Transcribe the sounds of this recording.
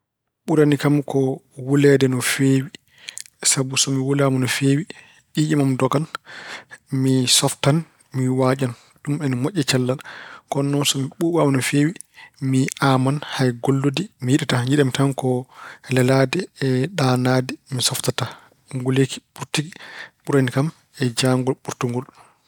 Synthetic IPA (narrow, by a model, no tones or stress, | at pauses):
ɓuɾanikamkɔwulɛdɛnɔfeːwi | sabusɔmiwulamɔnɔfeːwi | ɓiʔɛmamdɔɡan | misɔftan | miwad͡ʒan | ɗumɛnmɔʔʲːɛt͡ʃalːaɗakɔnːɔnsɔmiɓuːɓamanɔfeːwi | miʔamanhajɡolːodimijiɗɛtaɲiɗɛmitankɔlɛladɛɛɗanadɛmisɔftata | ŋɡuleki̥ɓuɾtiɡiɓuɾanikam | ɛd͡ʒaŋɡɔlɓuɾtuŋɡɔl